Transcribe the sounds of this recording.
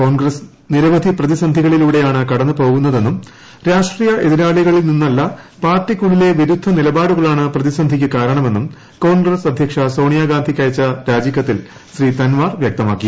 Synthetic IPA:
ko̞ːnɡrɐs | niɾɐʋɐd̪ʱiprɐðisɐnd̪ʱiɣɐɭiluːɽe̞jaːɳɨkɐɽɐnːɨpo̞ːɣunːɐðe̞nːum | ɾaːʂʈriːjɐʔe̞ðiɾaːɭiɣɐɭilninːɐlːɐpaːrʈːikːuɭːile̞ʋiɾud̪ʱːɐnilɐbaːɽuɣɐɭaːɳɨprɐðisɐnd̪ʱik̬ʲːɨkaːɾɐɳɐme̞nːum | ko̞ːnɡrɐsɐd̪ʱjɐkʂɐso̞ːɳijaːɡaːnd̪ʱikʲːɐjɐt͡ɕːɐɾaːd͡ʑjɐkːɐt̪ːil | ɕriːt̪ɐnʋaːrʋjɐk̚t̪ɐmaːkːi

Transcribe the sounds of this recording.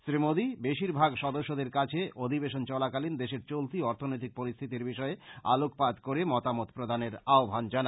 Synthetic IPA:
sɾimod̪ibeʃiɾbʱaɡʃɔd̪oʃːod̪eɾkat͡ɕʰeʔod̪ʱibeʃont͡ɕɔlakalind̪eʃeɾt͡ɕolt̪iɔɾt̪ʰonojt̪ik̚poɾist̪ʰit̪iɾbiʃɔea̰lokpad̪koɾemɔt̪amot̪pɾod̪ʱaneɾaobʱand͡ʑana

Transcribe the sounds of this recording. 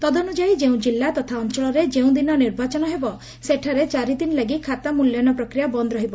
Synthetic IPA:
t̪ɔd̪ɔnud͡ʒajd͡ʒeũd͡ʒilːat̪ɔt̪ʰaɔnt͡ʃɔɭɔɾed͡ʒeũd̪inɔniɾbat͡ʃɔnɔɦebɔ | seʈʰaɾet͡ʃaɾid̪inlaɡikʰat̪amuljɔnɔpɾɔkɾijabɔnd̪ɾɔɦibɔ

